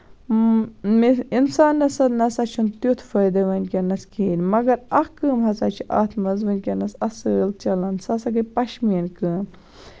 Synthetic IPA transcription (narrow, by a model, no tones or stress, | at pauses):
minsaːnːɐsɐd̪nɐsɐt͡ʃʰunt̪jut̪ʰfɐjd̪ɐʋɐnʲkʲɐnɐskʰiːnʲmɐɡɐɾɐhkɨːmɦɐsaːt͡ʃʰuʔa̰ːt̪ʰmɐzʋɨnʲkʲɐnɐsɐsɨːlt͡ʃɐlɐnsɐsɐɡɐpɐʃmiːnkɨːm